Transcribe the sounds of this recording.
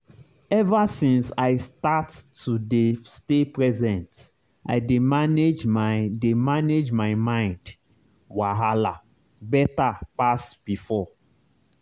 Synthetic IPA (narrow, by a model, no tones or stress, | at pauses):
ɛvasĩnsaɪstatːudestepɹɛzɛ̃nt | ʔa̰ɪdemaned͡ʒmademaned͡ʒmaɪmãɪ̃nd | waɦala | bɛtapasb̥ifɔ